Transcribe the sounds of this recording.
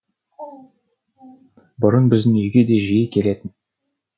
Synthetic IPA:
bʊɾənbɪzd̪ɪŋɵjɡʲe̞d̪e̞ʒijəkʲʰe̞le̞t̪ɪn

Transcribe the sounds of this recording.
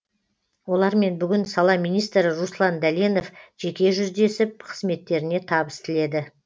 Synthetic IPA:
wo̞lˠɑɾme̞nbʏɡʲɪnsɑlˠɑmijnijst̪ɾɪɾuslˠɑnd̪æleno̞fʒ̥e̞kʲe̞ʒʏzd̪e̞sɪp̚qʰə̥zme̞t̪ːe̞ɾɪne̞t̪ʰɑbəst̪ɪle̞d̪ɪ

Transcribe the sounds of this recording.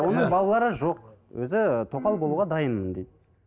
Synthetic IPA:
wo̞nəɴbɑlˠɑlˠɑɾəʒo̞qwʔɵ̰zɪt̪ʰo̞qɑlˠbo̞lˠuʁɑd̪ɑjənmənd̪ejd̪̚

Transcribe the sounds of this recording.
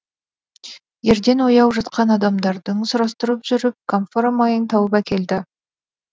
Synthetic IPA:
je̞ɾd̪e̞nwo̞jɑwʒɑt̪qɑnɑd̪ɑmd̪ɑɾd̪əŋsʊɾɑst̪əɾəpʒʏɾɪp̚kʰomfoɾamɑjənt̪ʰɑwəpækʲʰe̞ld̪ɪ

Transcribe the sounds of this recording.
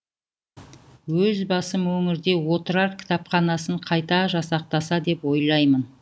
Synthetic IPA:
wɵzbɑsəmwɵŋɪɾd̪e̞wo̞t̪əɾɑɾkʲʰɪ̥t̪ɑpχɑnɑsəɴqʰɑjt̪ɑʒɑsɑq̚t̪ɑsɑd̪e̞pwo̞jlˠɑjmən

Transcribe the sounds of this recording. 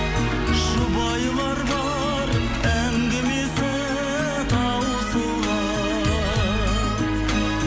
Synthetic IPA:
ʒʊbɑjlˠɑɾbɑ | ɾ | æŋɡʲɪmesɪ | t̪ʰɑwəsəlɑ

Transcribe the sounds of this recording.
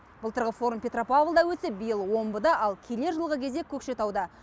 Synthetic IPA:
b̥əlˠt̪ʰəɾʁəfo̞ɾumpʲe̞t̪ro̞pavlˠd̪ɑwɵt̪sɪp̚bijəlˠwo̞mbəd̪ɑʔɑlˠkʲʰe̞le̞ɾʒəlˠʁəkʲʰe̞zd̪e̞kʲʰɵkʃe̞t̪ʰɑwd̪ə

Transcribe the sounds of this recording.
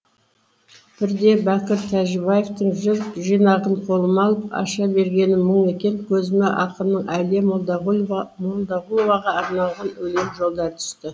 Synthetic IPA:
b̥ɪɾd̪e̞bækʲɪɾt̪ʰæʒɪbɑjeft̪əɴʒɪɾʒijnɑʁəɴqʰo̞lˠəmɑlˠəpɑ̰ʃɑbe̞ɾɡʲe̞nɪməɴe̞kʲe̞ŋkʲʰɵzɪmeʔɑqəmnəɴʔæle | molˠd̪ɑʁulˠo̞vɑʁɑːɾnɑlˠʁɑnwɵlemʒo̞lˠd̪ɑɾt̪ʰʏ̥st̪ɪ

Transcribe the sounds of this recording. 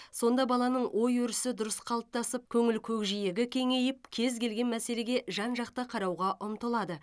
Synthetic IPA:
so̞nd̪ɑbɑlˠɑnəɴwʔo̞jɵɾɪsɪd̪ʊɾəsqʰɑlˠəp̚t̪ɑsəp̚kʲʰɵŋɪlkʲʰɵkʒije̞ɡʲɪkʲʰe̞ŋe̞jɪp̚kʲʰe̞zkʲe̞lɡʲe̞nmæse̞le̞ɡʲe̞ʒɑnʒɑqt̪ɑqʰɑɾɑwʁɑʔʊmt̪əlˠɑd̪ə

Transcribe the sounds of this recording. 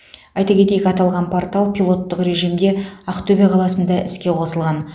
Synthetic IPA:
ɑjt̪ɑkʲʰe̞t̪ejɪkɑt̪ɑlˠʁɑnpʰo̞rt̪ɑlˠpʲilˠo̞t̪ːəqɾe̞ʒijmd̪e̞ɑqt̪ʰɵbe̞qʰɑlˠɑsənd̪ɑɪskʲe̞qʰo̞səlˠʁɑn

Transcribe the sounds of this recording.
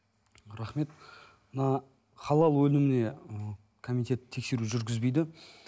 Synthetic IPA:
ɾɑχme̞t̪ | mənɑ | χɑlˠɑlˠwɵlɪmɪne̞ | kʰomit̪e̞t̪t̪ʰːe̞kse̞ɾuʒʏɾɡʲɪzbejd̪ɪ

